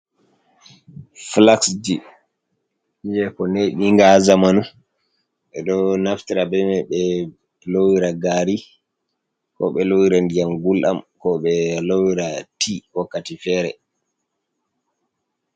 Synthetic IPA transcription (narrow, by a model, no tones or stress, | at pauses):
flaksd͡ʒi | d͡ʒɛkɔneɗiŋɡazamanu | ɓɛɗɔnaftiɾabɛmɛɓɛ | lowiɾaɡaːɾi | kɔ̰ɓɛlowiɾandijamɡulʔa̰mkɔɓɛlowiɾatʰihɔkːatifɛːɾɛ̰